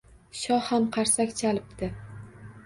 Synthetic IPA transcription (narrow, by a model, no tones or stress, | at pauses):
ʃɒhhamqʰɑɾsakʲt͡ʃʰalɪpt̪ɪ